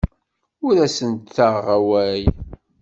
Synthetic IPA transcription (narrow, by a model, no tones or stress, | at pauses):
ʊɾæsənt̪θaʁʁæwæj